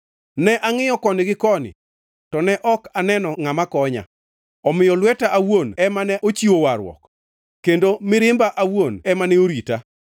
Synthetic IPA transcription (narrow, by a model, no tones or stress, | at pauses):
nɛʔaŋɪjɔkɔnɪɡɪkɔnɪ̰ | tɔnɛʔɔkanɛnɔŋamakɔɲa̰ | ɔmɪjɔlwɛtaʔawonɛmanɛʔot͡ʃiowaɾwɔ̰k | kːendomɪɾɪmbaʔawonɛmanɛoɾita